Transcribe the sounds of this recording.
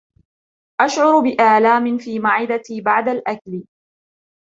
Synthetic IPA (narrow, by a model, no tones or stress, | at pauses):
ʔaʃʕʊɾbɪʔaːlaːmɪnfiːmaʕɪd̪at̪iːbaʕd̪alʔakl